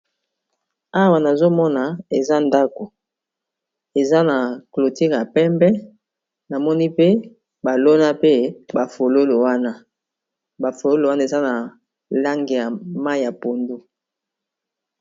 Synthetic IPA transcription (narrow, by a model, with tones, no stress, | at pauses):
a˦wa˨na˨zo˦mɔ˦na˨e˨za˦nda˦ko˨ | e˨za˦na˨klo˨ti˦kja˨pɛ˦mbɛ˦ | na˨mɔ˦ni˦pe˦ | ba˨lo˦na˦pe˦ba˨fo˨lo˦lo˨wa˦na˦ | ba˨fo˨lo˦lwa˦na˦e˨za˦na˨ | la˦ŋɡe˨ja˨ma˦˨ja˨po˨ndo˦